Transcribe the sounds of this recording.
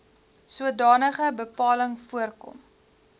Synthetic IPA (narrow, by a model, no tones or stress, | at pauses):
suədɑːnəχəbəpɑːləŋfuərkɔ̰m